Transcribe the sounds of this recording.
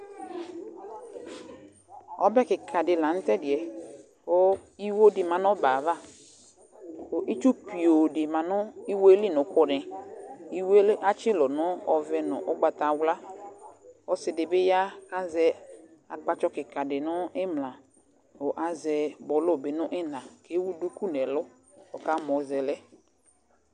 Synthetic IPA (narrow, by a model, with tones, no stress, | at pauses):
ɔ˦bɛ˦kɪ˨kʰa˨dɪ˨la˨n̩˦tɛ˦dɪ˨ɛ˨ | o˦i˦wo˦dɪ˨mã˨nʊ̃˦ba˨va˦ | o˨ʔi˦t͡ʃu˦pi˨o˨dɪ˨mã˨nʊ˦i˦wo˦li˦˨nʊ̃˨kʰʊ˨nɛ̃˨i˦we˦ʔa˦t͡ʃɪ˦lɔ˨nʊ̃˦ɔ˨vɛ˦nʊ̰̃˨ʔɔ˦ɡ͡ba˨ta˨wla˦ | ɔ˦sɪ˨dɪ˨bɪ˦ja˦a˦zɛ˨ | a˨k͡pa˨t͡ʃɔ˦kɪ˨ka˨dɪ˨nʊ˦ɪ˦mla˨ | o˨ʔa˨zɛ˨bɔ˨lʊ˦˨bɪ˨nʊ˦ʔɪ˦nã˨ke˨˦wu˦du˦ku˦nɛ˨lʊ˦ | ɔ˨ka˨˦mɔ˨zɛ˨lɛ˦